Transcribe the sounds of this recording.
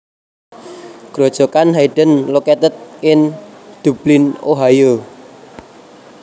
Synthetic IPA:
ɡ̥ɾod̥ʒ̥ɔ̤kanɦaiɖ̥ənlokɛt̪ət̪̚ɪnd̪̥ṳb̥linoɦajo

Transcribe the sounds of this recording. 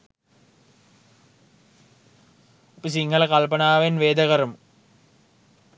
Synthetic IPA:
opəs̬iŋɦəlɐkalpɐnaːʋenʋeːd̪əkəɾəmu

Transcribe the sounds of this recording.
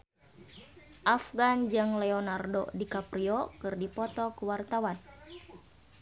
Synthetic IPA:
ʔafɡand͡ʒɨŋlɛɔnardo̰dikapɾiɔkɨrdipɔt̪ɔkuwart̪awan

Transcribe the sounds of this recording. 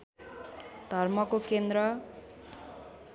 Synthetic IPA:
d̪̥ʱʌrmʌkokend̪ɾʌ

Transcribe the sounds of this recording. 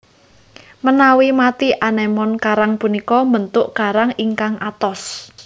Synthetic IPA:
mənawimat̪iʔanemɔnkaɾaŋpunikɔmbənt̪ʊʔkaɾaŋiŋkaŋʔat̪ɔs

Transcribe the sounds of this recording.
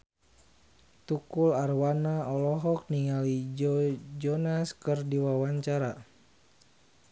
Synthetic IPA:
t̪ukularwanaɔlɔɦɔk̚niŋalid͡ʒd͡ʒɔnaskərdiwawaɲt͡ʃaɾa

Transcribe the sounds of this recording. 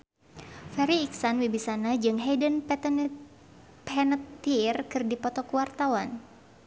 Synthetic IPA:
faɾiːksanwibisanad͡ʒɨŋɦɛdənp̪ | pɛnət̪ːirkɨrdipɔt̪ɔkuwart̪awan

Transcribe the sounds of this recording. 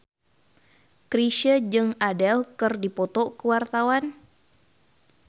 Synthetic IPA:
kɾiʃəd͡ʒɨŋadɛlkɨrdipɔt̪ɔkəwart̪awan

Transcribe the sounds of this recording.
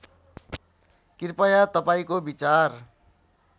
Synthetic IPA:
kirpʌjat̪ʌpaĩkobit͡sar

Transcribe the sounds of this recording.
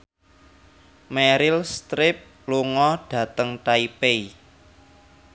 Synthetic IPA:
mɛɾɪlst̪ɾɪp̚ | luŋɔɖ̥ä̤t̪əŋʈaipei

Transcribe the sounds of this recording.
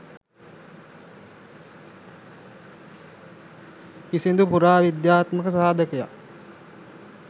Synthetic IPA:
kisind̪upuɾaːʋid̪jaːt̪məkəsaːd̪əkəja̰

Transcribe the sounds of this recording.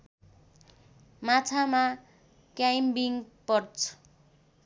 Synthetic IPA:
mat͡sʰama | kjajmbiŋpʌrt͡sʰʌ̥

